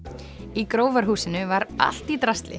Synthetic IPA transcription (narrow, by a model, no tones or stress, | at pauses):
ikɾoːwvaɾ̥ɦuːsɪnʏvaɾa̰l̥t̪it̪ɾast̪lɪ̰